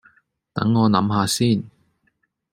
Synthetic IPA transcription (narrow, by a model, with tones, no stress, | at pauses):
t̪ɐ̰˨˥ŋːɔː˨˧nɐ˨˥mɦaː˨˧siː˥˩n